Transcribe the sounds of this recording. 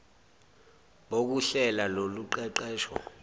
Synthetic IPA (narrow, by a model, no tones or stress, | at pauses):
ɓok̬uɬɛlaloluǃɛǃɛːʃɔ̰